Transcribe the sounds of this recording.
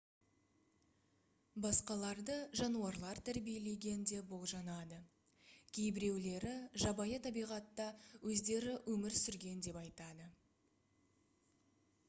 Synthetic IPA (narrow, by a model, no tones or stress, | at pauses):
bɑsqɑlˠɑɾd̪əʒɑnuɑɾlˠɑɾt̪ʰæɾbijele̞ɡʲe̞nd̪e̞bo̞lˠʒɑnɑd̪ə | kʲʰejbɪɾe̞wle̞ɾɪʒɑbɑjət̪ʰɑbijʁɑt̪ːɑwɵzd̪e̞ɾɪwɵmɪɾsʏɾɡʲe̞nd̪e̞pɑjt̪ɑd̪ə